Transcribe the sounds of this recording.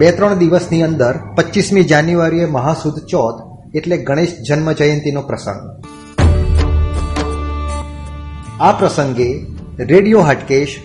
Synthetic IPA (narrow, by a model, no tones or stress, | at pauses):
bet̪ɾəɳ̃d̪iʋəsniənd̪əɾpətːʃismid͡ʒanjuʋaɾijeməɦasud̪ʱt͡ʃɔd̪ | eʈleɡʱəɽ̃eʃd͡ʒənməd͡ʒəjənt̪inopɾəsə̰̃ŋɡ | apɾəsəŋɡeɾeɽijoɦaʈkeʃ